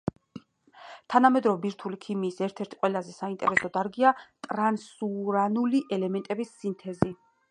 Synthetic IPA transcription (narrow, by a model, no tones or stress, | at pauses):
t̪ʰanamɛd̪ɾɔvɛbiɾt̪ʰulikʰimiːsɛɾt̪ʰɛɾt̪ʰi̥qʼwɛlazɛsaint̪ʼɛ̰ɾɛsɔd̪aɾɡiat̪ʼɾansuɾanuliʔɛlɛmɛnt̪ʼɛbisːint̪ʰɛzi